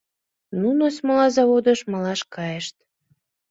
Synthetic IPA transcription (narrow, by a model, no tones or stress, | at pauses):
nunosməlɑzɑβod̪əʃməlɑʃkɑjeʃt̪